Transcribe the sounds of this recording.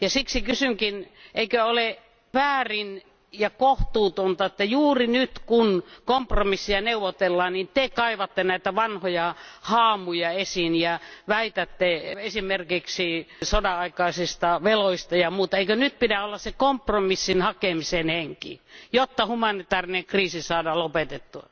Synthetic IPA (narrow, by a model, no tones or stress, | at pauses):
jɑsiksikysyŋkinʔeikøole | ʋæːrin | jɑkoht̪uːt̪ont̪ɑet̪ːæjuːrinyt̪kunkompromisːiæneuʋot̪elːɑːnnint̪ekɑiʋɑt̪ːenæit̪æʋɑnhojɑhɑːmujɑesinjɑʋæit̪æt̪ːeesimerkiksisodɑɑikɑisist̪ɑʋeloist̪ɑjɑmuːt̪ɑeikønyt̪̚pidæolːɑssekompromisːinhɑkemisenheŋkḭjot̪ːɑhumɑnit̪ɑːrineŋkriːsisɑːdɑlopet̪et̪ːuɑ̰